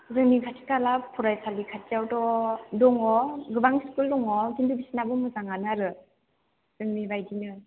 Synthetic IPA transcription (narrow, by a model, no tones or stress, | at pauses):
zɯŋnikʰatʰi̥kalapʰuɾajsʰalikʰat̚ijawdɔdɔŋɔɡɯbaŋskuldɔŋɔzindubisinabɯmɯzaŋanaɾɯ | z̥ɯŋnibajdinɯ